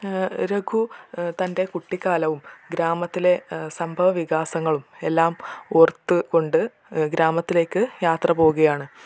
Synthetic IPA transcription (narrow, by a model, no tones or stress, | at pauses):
ɾeɡʱut̪ɐnde̞kuʈːikːaːlɐʋumɡɾaːmɐt̪ːile̞sɐmbʱɐʋɐʋiɣaːsɐŋːɐɭume̞lːaːmort̪ːɨko̞ɳɖɨ | ɡɾaːmɐt̪ːile̞ːkːɨjaːt̪rɐpo̞ːuɣɐjaːɳɨ